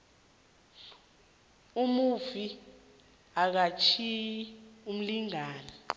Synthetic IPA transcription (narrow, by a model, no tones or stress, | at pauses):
umuvi | ak̬at͡ʃʰium̩liŋaːna